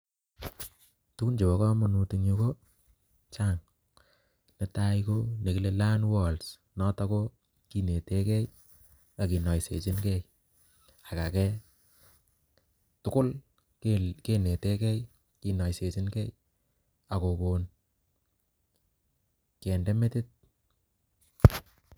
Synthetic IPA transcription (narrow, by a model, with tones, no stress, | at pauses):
tu˦ku˦nd͡ʒe˨bɔ˨kɔ˦mu˨nu˨tu˨ɲu˧ko˦ | t͡ʃa˦˨ŋ | ne˦ta˦iko˦ne˨ki˨le˦la˦nwɔ˨ls | nɔ˦ta˦ko˦ | ki˨ne˨te˦kɛ˦j | a˨ki˨nɔ˨jsḛ˨t͡ʃɪ˦nkɛ˦j | a˨ka˨kɛ˦ | tʊ˦kʊ˦l | keke˨ne˨te˦kɛ˦j | ki˨na˨jse˨t͡ʃɪ˦nkɛ˦j | a˨ko˨ko˨n | kɛ˨nde˦me˦tɪ˦t̚